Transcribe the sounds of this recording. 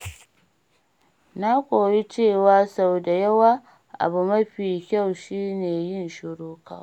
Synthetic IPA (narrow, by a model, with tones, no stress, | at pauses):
na˦kʷʼoː˨ji˦t͡ʃeː˦˨waː˦sa˨wda˨jɐ˦waː˦ | ʔa̰˨bu˨mɐ˦ɸiː˨kʲa˦˨wʃiː˦neː˨jɪ˦˨nʃʊ˨ɽuː˦ka̰ː˦